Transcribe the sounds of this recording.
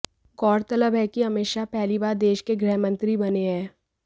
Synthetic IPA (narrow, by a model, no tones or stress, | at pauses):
kɔːɾt̪ɐləbɦɛkiɦɐmeːʃapɛɦlibaːɾd̪eːʃkeɡɾɛɦmə̃nt̪ɾibɐneɦɛ̃ː